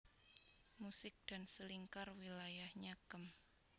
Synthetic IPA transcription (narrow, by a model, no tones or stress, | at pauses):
musɪk̚d̥ansəliŋkarwilajahɲakəm